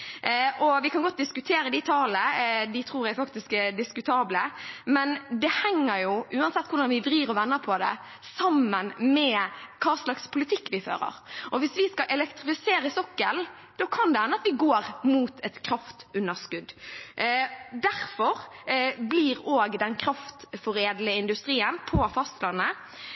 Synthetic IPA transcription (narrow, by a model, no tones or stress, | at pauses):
ʔɔʋɪkʰɑnɡɔt̪̚ːd̪ɪskʉt̪ʰeːɾəd̪ɪt̪ʰɑːləd̪ɪt̪ʰɾuːɾjæfɑkt̪ɪskɛd̪ɪskʉt̪ʰɑːbləmɛnd̪ɛhɛŋːəɾjʊʔʉːɑnsɛt̪ːkʰʊɾɖ̪ɑnʋɪdɾiːɾɔʋɛnːəpʰɔd̪ɛ̰ | sɑmːənmɛːkʰɑːslɑkspʰʊlɪt̪ʰɪkːʋɪfø̰ːɾə̰ɾʔɔʋɪsʋɪskɑʔɛlɛkt̪ɾɪfɪseːɾəsɔkːəl | d̪̥ɔkʰɑnd̪ɛhænəɑt̪ʋɪɡoːɾmuːt̪ʰɛt̪kʰɾɑft̪ʉnːəɾskʉd̪ː | d̪æɾfɔʁbliɾoːɡd̪ɛnkʰɾɑft̪fɔɾeːd̪ləɪnd̪ʉst̪ɾiːənpʰɔfɑst̪lɑnːə